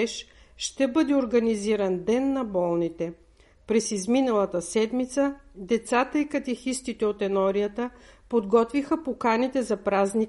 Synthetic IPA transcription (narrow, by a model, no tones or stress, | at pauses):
ɛʃʃt̪ɛbɤd̪ɛoɾɡɐniziɾɐnd̪ɛnːɐbɔlˠnit̪ɛ | pɾɛsizminɐlˠət̪əsɛd̪mit̪səd̪ɛt̪sat̪əikɐt̪ɛxist̪it̪ɛot̪ɛnɔɾijət̪əpod̪ɡɔt̪vixəpokanit̪ɛzɐpɾaznik